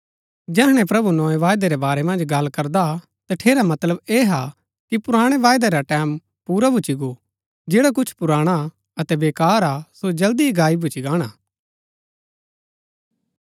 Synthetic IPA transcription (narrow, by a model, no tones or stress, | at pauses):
d͡ʒɛːɦɽ̃ɛ̃pɾɐbunɔːeʋaːjd̪eɾebaːɾemɐ̃nd͡ʒɡɐlːkɐɾd̪a | t̪aʈʰeːɾamɐt̪ləbeːɦa | kipʊɾaːɽ̃eʋaːjd̪eɾaʈɛːm | puːɾabʱʊt͡ʃiɡo | d͡ʒeːɽak̬ʊt͡ʃʰpʊɾaːɽ̃a | ɐt̪ɛbeːkaːɾasod͡ʒɐld̪iɡaːibʱʊt͡ʃiɡaːɽ̃aː